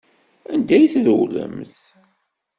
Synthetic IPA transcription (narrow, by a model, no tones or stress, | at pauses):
ænd̪æjθðəwlə̰mθ